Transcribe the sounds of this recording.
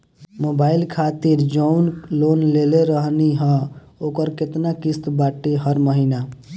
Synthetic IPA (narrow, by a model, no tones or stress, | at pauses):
mobailkʰat̪iɾd͡ʒəunlonleleɾəɦniɦə̃ | okəɾket̪nakist̪baʈeɦəɾməɦina